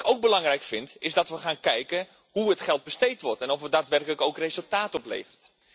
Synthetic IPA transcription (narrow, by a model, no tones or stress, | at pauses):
kowk̚bəlɑŋrɛjkfɪntɪzdɑtʋəχaːnkɛjkə | ɦuətχɛlˠd̚bəstejtʋɔrtɛnɔfʋədaːtʋɛrkələkowkrezəlˠtaːtɔplḛjvərt